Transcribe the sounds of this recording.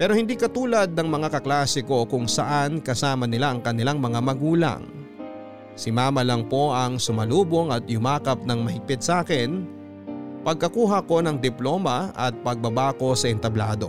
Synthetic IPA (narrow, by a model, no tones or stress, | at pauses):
pɛːɾohɪnd̪ikɐt̪uːlɐd̪̚nɐŋmɐŋakɐklaːsɪko̞kʊŋsɐʔankɐsaːmɐnɪlaʔɐŋkɐnɪlaŋmɐŋamɐɡuːlɐ̰ŋ | sɪmaːmɐlɐŋpo̞ʔɐŋsʊmɐluːbo̞ŋɐt̪jʊmaːkɐp̚nɐŋmɐhɪɡ̚pɪt̪̚sɐʔaːkɛn | pɐɡ̚kɐkuːɦɐko̞nɐŋd̪ɪplo̞mɐʔɐt̪̚pɐɡ̚bɐbaːko̞sɐʔɛnt̪ɐbla̰ːd̪o̞